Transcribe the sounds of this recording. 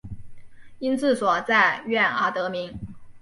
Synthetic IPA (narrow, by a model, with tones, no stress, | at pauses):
i˥nt͡sɹ̩˥˩swɔ˨˩t͡sa˥˧ɪɥɛ˥˩na˧˥t̪ɤ˧˥mi˧˥ŋ